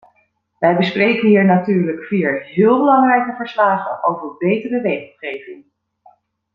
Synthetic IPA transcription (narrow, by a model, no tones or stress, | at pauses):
ʋɛjbəsprejkənɦiːɹnatyːɹləkfiːəɹɦɪːlˠbəlɑŋrɛjkəvəɹslaːχənʔo̰wvəɹbejtərəʋejχəl̩ˠχejvɪŋ